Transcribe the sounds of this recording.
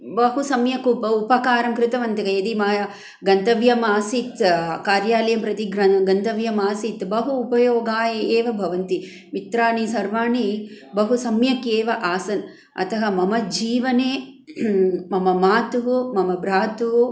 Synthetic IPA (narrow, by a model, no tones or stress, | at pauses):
bɐɦusɐmjɐkupɐupɐkaːɾɐmkɾɪt̪ɐʋɐnt̪ɐkɐjɐd̪imaːjɐ | ɡɐnt̪ɐʋjɐmaːsit̪kaːɾjaːlɐjɐmpɾɐt̪iɡɾɐɡɐnt̪ɐʋjɐmaːsit̪bɐɦuːpɐjoːɡaːjɐeːʋɐbʱɐʋɐnt̪i | mit̪ɾaːnisɐɾʋaːɳi | bɐɦusɐmjɐkeːʋɐʔaːsɐn | ɐ̰t̪ʰɐɦɐmɐmɐd͡ʒiːʋɐneː | mɐmɐmaːt̪uɦumɐmɐbɾaːt̪uɦu